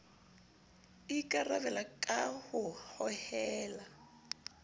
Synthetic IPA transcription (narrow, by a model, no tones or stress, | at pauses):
ikʼaraβɛlakʼahʊhɔhɛːla